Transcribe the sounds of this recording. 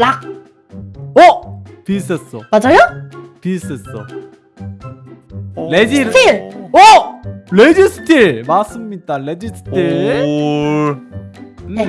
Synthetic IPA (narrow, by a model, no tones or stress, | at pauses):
lak̚ | otis͈es͈ʌmad͡ʑajotis͈es͈ʌ | led͡ʑitʰioled͡ʑisʰɯ̥tʰiɭmas͈ɯmɲidaled͡ʑisʰɯ̥tʰiɭ | ne